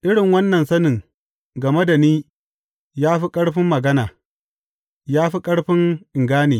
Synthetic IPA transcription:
ʔɪ˦ɽɪ˨ŋwɐ˦nːɐ˨nsɐ˦nɪ˨ŋ | ɡɐ˨me˦da˨niː˦ | jaː˦ɸi˦kʼɐ˦ɽɸɪ˦mːɐ˨ɡɐ˦naː˨ | jaː˦ɸi˦kʼɐ˦ɽɸɪ˦ŋʔɪ˨ŋɡaː˦niː˨

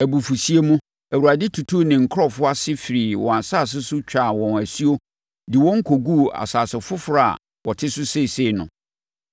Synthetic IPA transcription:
æ˨bu˨fu˨si˦e˦mũ˦ | æ˨wu˨a˨dɪ˦tʰu˨tʰu˦nɪ̃˨ŋ̩˨kʰɾɔ˦fʊ˦a˦sɪ˦fi˨ɾi˨wɔ̰̃˨a˨saː˦˨s̬ɪ˦sʊ˦t͡ɕᶣa˦˨wɔ̃˨næ˨si˦o˦ | dɪ˨wɔ̃˦ŋ̩˦kʰo˨ɡu˦a̰˨saː˨sɪ˨fʊ˦fɾa˦a̰˨ | wɔ˨tʰɪ˦sʊ˦se˦˨se˦˨nʊ̰̃˨

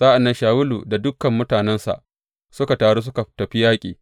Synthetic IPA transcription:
saː˦ʔa˨nːɐ˦nʃaː˨wʊ˦luː˨da˨dʊ˦kɐ˨mːʊ˦taː˨nɛ˦nsa̰˨ʔ | sʊ˦ka˨taː˨ɽoː˦s̬ʊ˦ka˨tɐ˨ɸi˦jaː˦kʲʼḭː˨

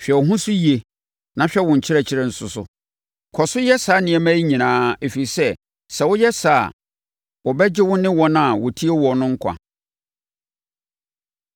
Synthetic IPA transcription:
ɕᶣɛ˨ɔ˨ɦʊ̃˦sʊ˦ji˨e˨ | nã˨ɕᶣɛ˦wʊ̃˨ɲ̩˨t͡ɕʰɪ˦ɾɛ˦t͡ɕʰɪ˦ɾɛ˨n̩˨sʊ˨sʊ̰˨ | kʰɔ˨sʊ˦jɛ˦saː˨˦nɪ̃˨ɛ˨mæ̃˦i˦ɲĩ˨nãː˨˦e˨fi˨ɾi˨sɛ˦ | sɛ˨wʊ˦jɛ˦saː˨ | wɔ˨bɛ˦d͡ʑɪ˦wʊ˦nɪ̃˦wɔ̃˦nã˦a˨wɔ˨tʰi˦e˦wɔ˨nʊ̃˦ŋ̩˦kʷʰã̰˨

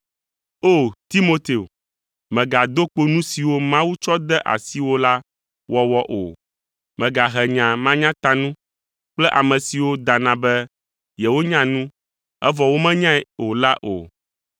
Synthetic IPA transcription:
o˦˨t̪i˦mo˦t̪e˨o˨ | mɛ̃˨ɡa˨d̪o˦k͡po˦nũ˦si˨wo˦mã˦wu˦t͡ʃɔ˦d̪ɛ˦ʔa̰˨si˦wo˦la˦ | wɔ˦wɔ˦ʔo˨ | mɛ̃˨ɡa˨ɦɛ˨ɲã˨mã˦ɲã˦t̪a˨nũ˦ | k͡plɛ˦ʔa˨mɛ̃˨si˨wo˦d̪a˨nã˨bɛ˦ | jɛ˨wo˦ɲã˦nũ˦ | ɛ˦vɔ˨wo˦mɛ̃˦ɲã˦ɛ˨o˨la˦ʔo̰˨

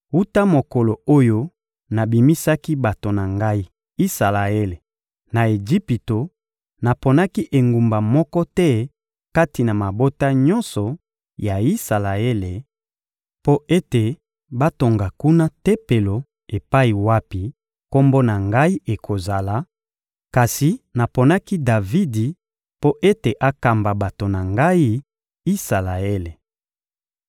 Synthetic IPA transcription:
u˦ta˦mo˨kɔ˨lo˨o˦jo˦ | na˨bi˨mi˦sa˦ki˦ba˨to˨na˨ŋɡa˦i˦ | i˦sa˨la˨e˦le˨ | na˨e˨d͡ʒi˦pi˨to˨ | na˨po˨na˦ki˦ʔe˨ŋɡu˨mba˨mɔ˦kɔ˦tɛ˦ | ka˦ti˨na˨ma˨bo˦ta˦ɲɔ˦nsɔ˨ | ja˨i˦sa˨la˨e˦le˨ | po˦ʔe˦te˨ | ba˦to˨ŋɡa˨ku˦na˦tɛ˦pe˨lo˨ | e˨pa˦i˨wa˦pi˨ | ko˦mbo˦na˨ŋɡa˦i˦ʔe˨kʰo˨za˨la˨ | ka˨si˨na˨po˨na˦ki˦da˨vi˦di˨ | po˦ʔe˦te˨ʔa˦ka˨mba˨ba˨to˨na˨ŋɡa˦i˦ | i˦sa˨la˨e˦le˨

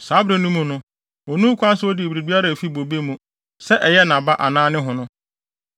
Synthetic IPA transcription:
saː˨˦bɾa˨nũ˦mũ˨nʊ̃˦ | ɔ˨nũ˦kʰʷʊ˦ã˦n˦sʊ˦ɔ˦dɪ˨bɾi˨bi˦a˦ɾa˨fi˦bo˨be˦mũ˨ | sɛ˦ʔɛ˨jɛ˦nã˨ba˦ʔa˨nãː˦nɪ̃˦ɦʊ̃˨nʊ̃˦

